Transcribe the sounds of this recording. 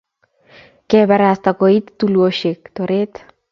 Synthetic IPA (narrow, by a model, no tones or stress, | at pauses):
kɛbaɾast̪akoit̪ːuluoʃek̚t̪oɾet̪